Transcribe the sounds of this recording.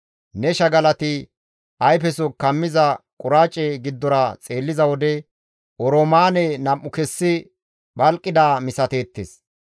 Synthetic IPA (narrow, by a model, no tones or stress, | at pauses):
nɛʃɐɡɐlɐt̪ɪ | ʔɐjpɛsɔkɐmːɪzɐkʼʊɾaːt͡ʃʼːɛɡɪd̪ːɔɾɐt͡sʼe̞ːlːɪzɐwɔd̪ɛ | ʔɔɾomaːnɛnɐmʔːʊkɛsːɪ | bɐlkʼːɪd̪aːmɪsɐt̪e̞ːt̪ːes